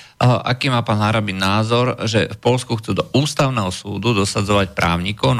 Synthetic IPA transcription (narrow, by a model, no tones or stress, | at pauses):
ʔa̰kiːmaːpaːnɦaɾabinaːzɔɾʒɛfpɔlskuxt͡sud̪ɔʔuːst̪aʊnɛɦɔsuːd̪ud̪ɔsad͡zɔʋacpɾaːʊɲikɔʊn